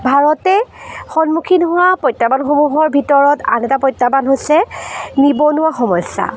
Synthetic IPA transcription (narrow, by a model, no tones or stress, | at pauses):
bʱaɹɔtɛxɔnmukʰinɦʊwapɔjtːabanxomuɦɔɹbʱitɔɹɔta̰nɛtapɔjtːabanɦosɛnibɔnʊwaxɔmɔjsa̰